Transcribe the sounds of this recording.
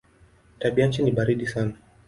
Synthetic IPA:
taɓiaɲt͡ʃiniɓaɾiɗisana

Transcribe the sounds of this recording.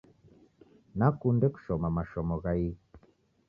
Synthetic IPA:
nakundɛku̥ʃɔmamaʃɔmoɣai

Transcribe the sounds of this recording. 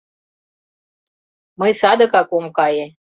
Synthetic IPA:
məjsɑd̪ɤ̆kɑkomkɑje

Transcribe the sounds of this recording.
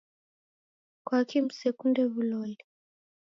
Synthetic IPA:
kwakim̩sɛkundɛβulɔji

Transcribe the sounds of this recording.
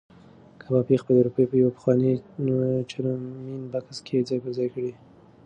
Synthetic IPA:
kʰabɑpixpəld̪uɾupəjpəjawapə̥xwɑni | t͡ʃaɾminbakaskʰed͡zajkəɾzɑjkɽi

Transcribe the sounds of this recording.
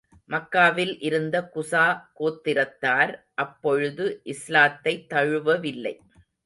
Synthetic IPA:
mɐkːaːʋɪlʔɪɾɯnd̪ɐkʊsaːkoːt̪ːɪɾɐt̪ːaːɾ | ʔɐpːɔɻɯðɯʔɪslaːt̪ːɐɪt̪ːɐɻɯʋɐʋɪlːɐɪ

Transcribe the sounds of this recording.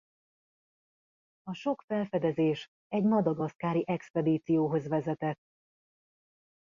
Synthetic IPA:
ɒʃo̞kfɛlfɛd̪ɛzeːʃ | ɛɟmɒd̪ɒɡɒs̚kaːɾiʔɛkspɛd̪iːt̪sijoːɦo̞zʋɛzɛt̪ɛt̪ː

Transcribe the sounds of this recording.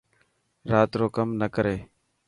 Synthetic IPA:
ɾaːt̪ɾoːkəmnəkəɾeː

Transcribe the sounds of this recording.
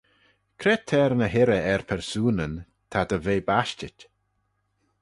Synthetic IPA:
kʰɾɛt̪ʰːɛɾnəɦɪɾəɛɹpʰɛɹsuːnən | t̪ʰad̪əveːbaʃtɪtʲ

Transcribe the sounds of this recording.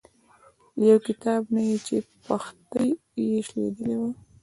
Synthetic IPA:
jawkɪt̪ɑbnajet͡ʃepaxt̪əj | jeʃlḛd̪əlewa

